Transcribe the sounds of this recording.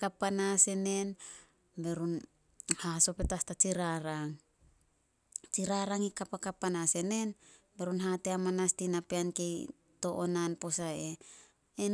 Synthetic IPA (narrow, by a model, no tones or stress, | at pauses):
kapːanase̞ne̞n | be̞ɾun | haso̞pe̞tastat͡ʃiɾaɾaŋ | t͡ʃiɾaɾaŋikapakapːanase̞ne̞n | be̞ɾunɦateamanastinapeanke̞j | to̞ʔonanpo̞sae | en